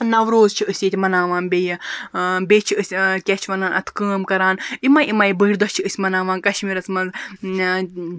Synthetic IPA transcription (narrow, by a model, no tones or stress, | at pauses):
nɐʋɾoːzt͡ʃʰiəsʲjet̪ʲmɐnaːʋaːnbejɐbʲeːt͡ʃʰiəsʲkʲɛt͡ʃʰʋɐnaːnɐ̰t̪ʰkəːmkɐɾaːnimɐːjimɐjbəiɾʲd̪ɔst͡ʃʰiəsʲmɐnaːʋaːnkɐʃmiːɾɐt͡smɐn